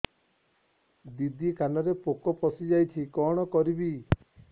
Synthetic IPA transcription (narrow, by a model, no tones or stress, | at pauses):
d̪id̪ikanɔɾepokɔpɔsid͡ʒajt͡ʃʰikɔɽ̃ɔkɔɾibi